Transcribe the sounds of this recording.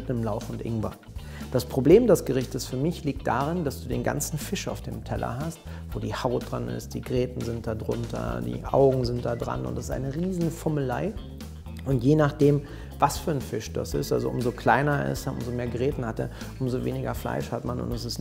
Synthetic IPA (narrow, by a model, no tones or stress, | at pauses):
tnəmlaʊfʊntʔɪ̰ŋva̰ː | d̥aspʁ̥obleːmdɛsɡ̥əʁɪçtəsfyːɐmɪçliːk̚td̥a̰ːʁ̞ɪndasd̥uːdeːnɡa̰nt͡sn̩fɪʃaʊfd̥ḛːmtʰɛlɐ̰ɦast | v̥oːdiːhaʊt̚d̥ʁanʔɪ̰st̚d̥iːɡəʁɛːtn̩zɪnt̚d̥adʁʊ̰ntʰɐ̰dḭːʔa̰ʊɡŋ̩zɪnt̚d̥aːdʁa̰nʊ̰ntɛsɪ̥stʔa̰ɪnəʁiːzn̩fɔməlaɪ | ʔʊntjeːnaχd̥eːm | vasfyːɐənfɪʃd̥a̰sɪ̰stʔa̰lzo̰ʔʊmzokl̥aɪnɐɪ̰stʔʊ̰mzomeːɐɡəʁɛːtn̩hatɛ̰ːɐ | ʔʊmzovḛːnɪɡɐfla̰ɪʃhatmanʊ̰ntɛs̬ɪst